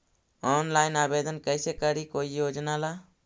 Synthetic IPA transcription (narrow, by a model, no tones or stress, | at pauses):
ɔːnlaːjnaːbeːd̪ənkəjsekəɽikoːijod͡ʒnala